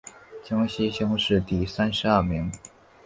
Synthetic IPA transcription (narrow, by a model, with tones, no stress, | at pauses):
t͡ɕjɑ˥ŋɕi˥ɕjʊ˥ŋʂɻ̩˥˧t̪i˥˩sa˥nʂɻ̩˧˥ɐ˥˩mi˧˥ŋ